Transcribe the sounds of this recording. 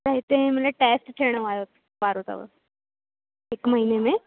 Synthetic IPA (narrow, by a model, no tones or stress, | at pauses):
ɾəɦt̪eɦɛ̃məleʈeːsʈʈ̪ʰeɽ̃əʋajot̪ | baɾɦot̪a̰ʋə̰ | ekməɦinemẽ